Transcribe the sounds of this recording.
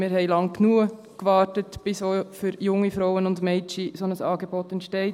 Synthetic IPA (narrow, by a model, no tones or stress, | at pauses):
mɪɾhɛɪlɑŋknuə | kʋɑːɾtətb̥ɪsofyɾjʊŋːifɾoʊənʊndmɛɪt͡ʃisonəsɑːɡebotɛntʃtɛɪt